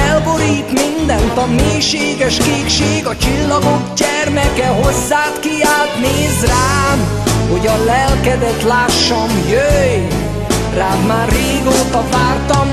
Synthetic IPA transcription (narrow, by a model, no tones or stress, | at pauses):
ɛlboɾiːt̪mind̪ɛnt̪ɒmeːʃeːɡɛʃkeːkʃeːɡɒt͡ʃilːɒɡoɡɟɛrmɛkɛɦozːaːt̪kiaːt̪neːzraːn | ho̞ɟɒlɛlkɛd̪ɛt̪laːʃːɒmjøj | raːvmaːrːeːɡoːt̪ɒvaːrt̪ɒm